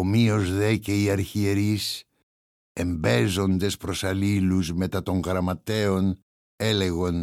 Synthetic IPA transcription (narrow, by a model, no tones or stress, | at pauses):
omio̞zðece̞iɐɾçie̞ɾis | e̞mbe̞zo̞nd̪e̞spɾo̞sɐliluzme̞t̪ɐt̪o̞ŋɣɾɐmɐt̪e̞o̞n | e̞le̞ɣon